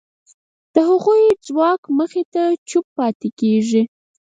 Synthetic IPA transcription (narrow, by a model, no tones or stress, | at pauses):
d̪̥əhaɣujd͡zwɑkməxet̪at͡ʃʊpːɑt̪ekeʒi